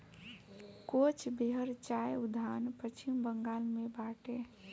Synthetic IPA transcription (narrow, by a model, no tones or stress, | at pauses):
kot͡ʃʰbeɦəɾt͡ʃajud̪ʱanpət͡ʃimbəŋɡalmebaʈe